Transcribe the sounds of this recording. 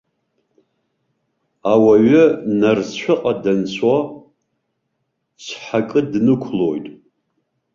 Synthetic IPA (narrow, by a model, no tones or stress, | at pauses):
awaɥɪnarzʃʷʊqʼadansʷʰwa | t͡ʃʷʰħakʼɨdnɨkʷʰlojtʼ